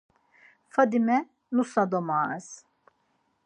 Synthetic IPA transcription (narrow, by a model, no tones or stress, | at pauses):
fad̪imɛ | nusad̪omaːz̥